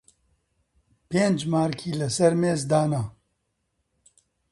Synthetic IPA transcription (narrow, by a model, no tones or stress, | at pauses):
peːnd͡ʒmaːɾkʰiːlɐsɐɾmeːzd̪aːnaː